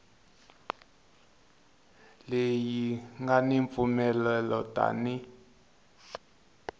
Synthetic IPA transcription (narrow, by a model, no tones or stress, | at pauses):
lejiŋɡaniɱp̪fumɛlɛlɔta̰ni